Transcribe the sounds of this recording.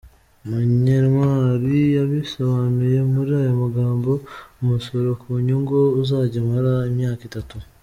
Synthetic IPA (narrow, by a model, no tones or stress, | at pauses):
muɲeɾmaːɾijaβisoβanuje̞muɾihajomaɡaːmbo̞omusoɾokʰuɲuŋɡouzaːɟemaɾaemjaːkitatu